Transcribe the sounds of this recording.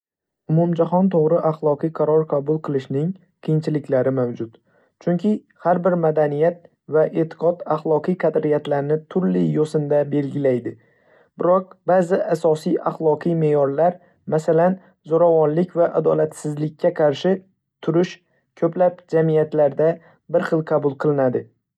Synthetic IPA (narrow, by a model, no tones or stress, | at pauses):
ʊmʊmd͡ʒaχɒnt̪ʰoʁɾɪʔaχlˠɒqɨjqʰɑɾɒɾqʰɑbʊlˠqʰɨlˠɪʃnɪŋ | qʰijɪnt͡ʃʰɪlɪkʲlaɾɪmawd͡ʒʊt̪ | t͡ʃʰʊŋkʲʰɪ | haɾbɪɾmad̪anijat̪̚ | vaʔet̪ʰɪ̥qɒt̪aχlˠɒqʰɨjqʰɑd̪ɾɪjat̪laɾnɪt̪ʰʊɾlɪjosɪnd̪abe̞lɡʲɪlajd̪ɪ | b̥ɪɾɒq̚baːzɪʔasɒsijaχlˠɒqʰɨjmeːjɒɾlaɾ | masalan | zoɾavɒnlɪkʲvaʔad̪ɒlat̪sɪzlɪkʲʰːaqʰɑɾʃɪ | t̪ʰʊɾɪʃ | kʰɵplap̚d͡ʒamijat̪laɾd̪a | bɪɾχɨlˠqʰɑbʊlˠqʰɨlˠɪnad̪ɪ